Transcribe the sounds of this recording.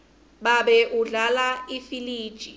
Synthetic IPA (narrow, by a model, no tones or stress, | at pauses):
ɓaɓɛʔuɮalaifiliːd̥ʒ̥ʼʱi